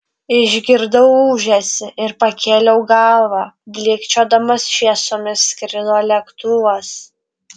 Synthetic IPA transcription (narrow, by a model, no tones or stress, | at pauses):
ɪʒʲɡʲɪɾd̪ɐʊuːʒʲɛsʲɪʔɪɾpɐkʲʰeːlʲɛʊɡɑlˠʋɑbʲlʲɪːkt͡ʃʲoːd̪ɐmɐsʃʲiɛsoːmʲɪskɾʲɪd̪oːlʲɛkt̪uːʋɐs